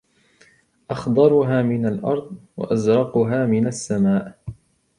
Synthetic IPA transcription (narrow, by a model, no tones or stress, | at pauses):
ʔɑxd̪ˤɑɾˤʊɦaːmɪnalʔɑ̰ɾˤd̪ˤwa̰ʔazɾˤɑqʊɦaːmɪnasːamaːʔ